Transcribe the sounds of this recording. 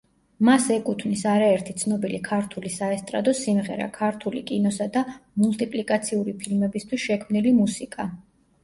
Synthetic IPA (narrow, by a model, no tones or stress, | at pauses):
masɛkʼut̪ʰvnisaɾaɛɾt̪ʰit̪sʰnɔbilikʰaɾt̪ʰulisaɛst̪ʼɾa̰d̪ɔsimʁɛɾa̰kʰaɾt̪ʰulikʼinɔsad̪amult̪ʼipʼlikʼat̪sʰiuɾipʰilmɛbist̪ʰwisʃɛkʰmnilimusikʼa